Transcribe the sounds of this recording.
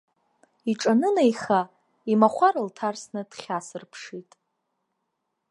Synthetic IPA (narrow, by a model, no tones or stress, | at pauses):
iʈ͡ʂʼanɨnejχa | imaχʷaɾɨltʰarsnɨd̥χʲasɨrpʰʂitʼ